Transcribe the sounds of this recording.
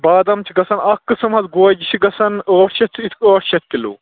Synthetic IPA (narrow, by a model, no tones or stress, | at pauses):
baːd̪ɐmt͡ʃʰiɡɐsɐnɐkːɨsɐmɦɐzɡoːd͡ʒit͡ʃʰiɡɐsɐnoːʈʃɐtt͡sʰit̪ʰkoːʈʃɐt̪̚ʰkʲilṵː